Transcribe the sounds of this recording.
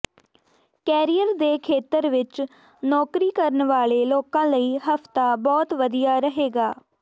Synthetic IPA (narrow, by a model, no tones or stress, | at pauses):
kɛːɾijəɾd̪eːkʰeːt̪əɾʋɪt͡ʃ | nɔːkɾiːkəɾənʋaːleːloːkãːləiːɦəpʰt̪aːbɔːt̪ʋəd̪ijaːɾəɦeːɡaː